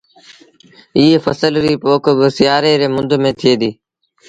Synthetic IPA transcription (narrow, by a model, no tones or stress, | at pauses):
ɪːɦeːfəsəlɾiːpoːkbəsɪjaːɾeːɾeːmʊnd̪ʱmẽːt̪ʰɪjeːd̪iː